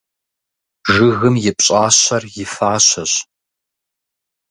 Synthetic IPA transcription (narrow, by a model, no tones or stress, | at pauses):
ʒɨɣɨmjɪpʼɕʼaːɕɐrjɪfaːɕɐɕ